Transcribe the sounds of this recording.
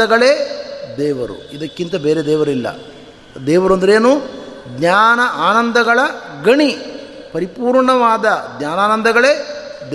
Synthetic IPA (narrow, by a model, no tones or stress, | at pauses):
ɐɡɐɭeːd̪ɛːʋɐɾṵid̪ɐkːint̪ɐbeːɾed̪ɛːʋɐɾuilːɐ̰ | d̪ɛːʋɐɾuɐnd̪ɐɾeːnuːɡɲaːnɐʔaːnɐnd̪ɐɡɐɭɐɡɐɳi | pɐɾipuːɾɳɐʋaːd̪ɐɡ̪ɲaːnaːnɐnd̪ɐɡɐɭe̞ːd̪